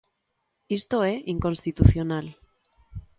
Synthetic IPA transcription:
ist̪oeʔiŋko̞nst̪it̪uθjonal

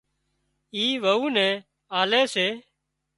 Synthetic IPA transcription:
iːʋəuːnɛ̃ː | aːleːseː

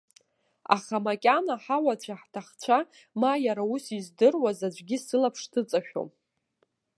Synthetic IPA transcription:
a̰χamakʲʼanaħawat͡ɕʷʰaħtʰaχt͡ɕʷʰa | majaɾausizdɨrwazad͡ʒʷɡʲisɨlapʰʂtʰɨt͡sʼaʃᶣo̰m

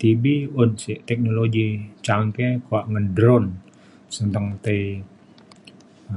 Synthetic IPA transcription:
t̪ibiʊnsɪt̪ɛk̚noloɡit͡ʃaŋkekoaʔŋəndɾɔn | sənt̪əŋt̪əi

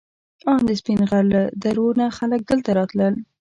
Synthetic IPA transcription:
ɑnd̪əspinɣaɾləd̪aɾonaxalək̚d̪əlt̪aɾɑt̪ləl

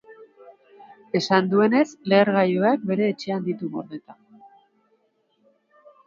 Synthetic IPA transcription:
e̞sand̪ue̞ne̞sle̞ːɾɣajoak̚be̞ɾe̞ːt͡ʃe̞and̪it̪umo̞̰ɾðe̞t̪a

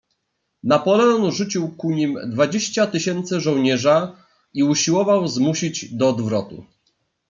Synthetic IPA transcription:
napɔlɛɔnʐut͡ɕiwkuɲimd̪vad͡ʑeɕt͡ɕat̪ɘɕɛnt̪sɛʐɔ̃w̃ɲɛʐa | iuɕiwɔvawzmuɕid͡ʑd̪ɔːd̪vɾɔt̪ṵ

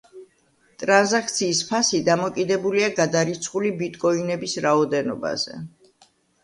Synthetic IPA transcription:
t̪ʼɾanzak̚ʰt̪sʰiːspʰasid̪amɔkʼid̪ɛbuliaɡad̪aɾit̪sʰχulibit̪ʼkʼɔinɛbisɾaɔd̪ɛnɔba̰zɛ̰

